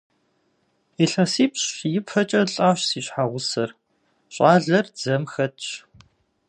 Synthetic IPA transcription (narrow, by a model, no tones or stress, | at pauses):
iɬɐsiːpɕjɪpʰɐt͡ʃʼɐɬʼaːɕsiːɕħaʁʷʊsɐr | ɕʼaːɮɐrd͡zɐmxɐtɕ